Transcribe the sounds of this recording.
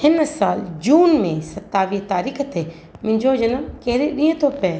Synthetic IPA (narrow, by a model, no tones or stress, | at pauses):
hɪnsaːld͡ʒuːnmẽsɐt̪ːaːʋiːt̪aːɾiːkt̪e | mɪ̃ɲd͡ʒod͡ʒɐnəmkeɦɾeɗĩẽt̪ʰopɛ